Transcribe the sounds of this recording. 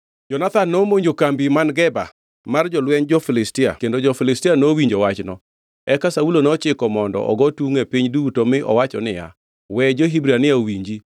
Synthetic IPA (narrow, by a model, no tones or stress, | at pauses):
d͡ʒɔnat̪anːomoɲd͡ʒokambimanɡɛba̰ | mard͡ʒɔlwɛnd͡ʒɔfɪlɪstɪa̰kendod͡ʒɔfɪlɪstɪanowiɲd͡ʒɔwat͡ʃnɔ | ɛkasaulonɔt͡ʃɪkɔmɔndɔ̰ʔɔ̰ɡɔtuŋepiɲduutomɪʔɔ̰wat͡ʃɔnɪja̰ | wɛd͡ʒoɦibɾianɪaowiɲd͡ʒi